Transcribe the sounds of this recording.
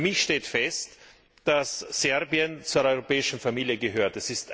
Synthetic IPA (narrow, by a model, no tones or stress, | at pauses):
mɪçʃteːtfɛst | d̥asːɛʁbiənt͡suːɐʔɔʏʁopɛːɪʃn̩famiːljəɡəɦøːɐtɛsɪst